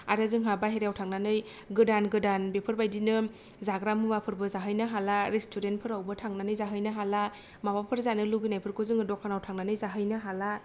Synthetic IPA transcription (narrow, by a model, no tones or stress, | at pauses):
a̰ɾazɯŋɦabaɦeɾawtʰaŋnanɯj | ɡɯdanɡɯdanbepʰɯɾbajdinɯ | zaɡɾamɯbapʰɯɾbɯzaɦɯjnɯɦalaɾestʰuɾentpʰɯɾawbɯtʰaŋnanɯjzaɦɯjnɯɦala | mabapʰɯɾzanɯluɡɯnajpʰɯɾkʰozɯŋɯdɔkʰanawtʰaŋnanɯjzaɦɯjnɯɦala